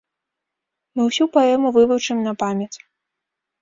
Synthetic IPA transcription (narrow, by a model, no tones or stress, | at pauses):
mɨwsʲupaɛmuvɨvut͡ʂɨmnɐpamʲjɐt͡sʲ